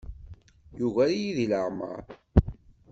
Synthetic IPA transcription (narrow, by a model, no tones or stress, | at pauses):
juvæɾjiðiləʕmə̰ɾ